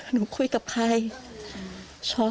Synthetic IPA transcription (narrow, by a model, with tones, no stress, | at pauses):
nuː˨˦kʰu˧jka˨˩p̚kʰa˧j | t͡ɕʰɔː˧˥